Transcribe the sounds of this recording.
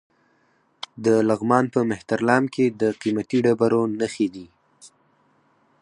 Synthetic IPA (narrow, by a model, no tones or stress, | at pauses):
d̪əlaɣmɑnpəmɪht̪aɾlɑmkʰed̪əqimat̪iɖabaɾonəxed̪i